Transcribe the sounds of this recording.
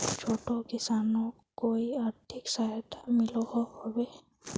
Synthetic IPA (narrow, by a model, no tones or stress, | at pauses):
t͡ʃʰotɔkisanɔ | kojaɹt̪ʰiksajɔtamilɔhɔhɔbɛ